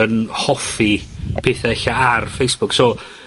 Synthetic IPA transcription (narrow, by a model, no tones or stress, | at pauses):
ənhɔfipʰeːθaɛɬaarfejsb̥ʊksoː